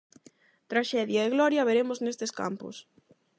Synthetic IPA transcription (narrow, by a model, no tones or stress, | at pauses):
t̪ɾaʃɛðjaeɣlɔɾjɐβ̞eɾemʊznest̪eska̰mpʊ̰s